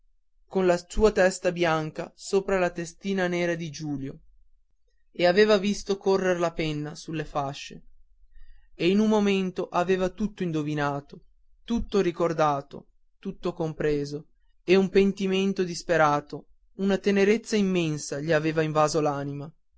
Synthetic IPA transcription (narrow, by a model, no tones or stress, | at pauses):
konlasuːat̪ɛst̪abjaŋka̰soːpɾalat̪est̪iːnaneːɾad̪id͡ʒuːljo | eaveːvavist̪okorːeɾlapɛnːasulːefaʃːe | einumːoment̪oʔaveːvat̪ut̪ːoind̪ovinaːt̪o | t̪ut̪ːoɾikord̪aːt̪o̰ | t̪ut̪ːokompɾeːzo | eumpent̪iment̪od̪ispeɾaːt̪o | unat̪eneɾet̪sːaimːɛnsaʎiaveːvaiɱvaːzolaːnima